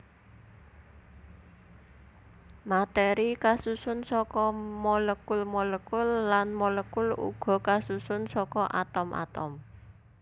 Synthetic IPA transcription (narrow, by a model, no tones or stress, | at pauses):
mat̪eɾikasusʊnsɔkɔmɔləkʊlmɔləkʊlːanmɔləkʊlṵɡ̥ɔ̤kasusʊnsɔkɔʔa̰t̪ɔmʔa̰t̪ɔ̰m